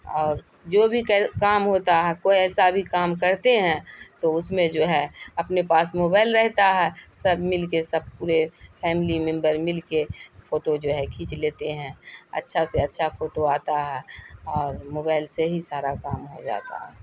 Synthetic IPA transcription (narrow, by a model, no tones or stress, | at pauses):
ɔːɾ | d͡ʒoːbʱikɛkaːmɦoːt̪aɦɛkoiɛːsabʱikaːmkəɾt̪eɦɛ̃t̪oʊsmẽd͡ʒoːɦɛɐpnepaːsmoːbaːɪlɾɛɦt̪aɦɛsəbmɪlkesəb̚puːɾepʰɛːmɪlimɛ̃mbəɾmɪlkepʰoːʈod͡ʒoːɦɛkʰiːt͡ʃleːt̪eɦɛ̃ə̰tːʃʰaseɐtːʃʰapʰoːʈoaːt̪aɦɛːɔːɾmoːbaːɪlseɦisaːɾakaːmɦod͡ʒa̰ːt̪a̰ɦɛː